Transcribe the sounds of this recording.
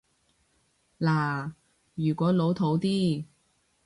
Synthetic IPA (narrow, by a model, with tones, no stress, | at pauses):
laː˨˩ | jyː˨˩kʷɔː˨˥lo˨˥wt̪ʰo˨˥wt̪iː˥